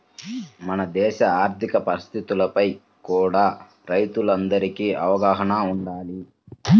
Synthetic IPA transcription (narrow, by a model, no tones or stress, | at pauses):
mɐnɐd̪ɛːʃɐaːɾt̪ʰikɐpɐɾist̪ʰit̪ulɐpɐj | kuːɽaː | ɾɐjt̪ulɐnd̪ɐɾikiɐʋɐɡaːɦɐnɐuɳɖaːli